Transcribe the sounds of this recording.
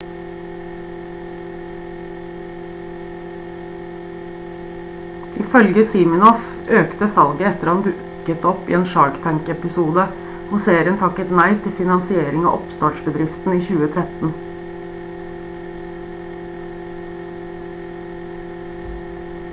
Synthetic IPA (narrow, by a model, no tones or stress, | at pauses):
ʔɪfœlɡəsiːmɪnɔf | øːkt̪əsɑlɡəɛt̪əɾɑnd̪ʉːʔʉkət̪ɔpḭːeːnʃɑɹɡt̪ʰæŋkɛpɪsuːd̪ə | hʊseːɾənt̪ʰɑkət̪næɪt̪ʰɪlfɪnɑnsɪeːɾɪŋɑ̰ːʔɔpst̪ɑːʈʃbəd̪ɾɪft̪n̩iːçʉːət̪ʰɾɛt̪n̩